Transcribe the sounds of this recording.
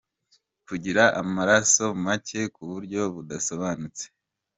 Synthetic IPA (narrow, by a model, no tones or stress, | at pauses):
kuɟiɾaʔamaɾaso̞macʰe̞kuβuɾɟo̞βudaso̞βanut͡se